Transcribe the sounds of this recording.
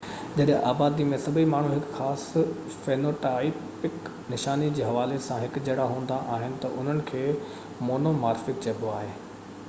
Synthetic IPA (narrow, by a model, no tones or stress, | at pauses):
d͡ʑɐɗɦɪ̃ʔaːbaːd̪imẽsɐbʱimaːɳ̤ũɦɪkxaːs | feːnoːʈaːɪp | ɪk | nɪʃaːnid͡ʑiːɦɐʋaːlesãɦɪkd͡ʑɐɽaɦũːnd̪aʔaːɦɪnɪ̆t̪ɐʔʊn̤ənɪ̆kʰeː | moːnomaːɾfɪk̚t͡ɕɐbʱoaːɦeː